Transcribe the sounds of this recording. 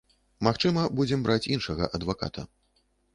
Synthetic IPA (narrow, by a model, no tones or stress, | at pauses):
maxt͡ʂɨmɐbud͡zʲɛmbɾʔat͡sʲinʂɐɣɐ̰ʔɐd̪vaka̰t̪ʰɐ